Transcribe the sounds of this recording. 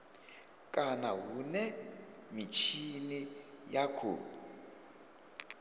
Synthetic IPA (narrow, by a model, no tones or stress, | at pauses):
kʼanaɦunɛmit͡ʃʰinijakʰo̰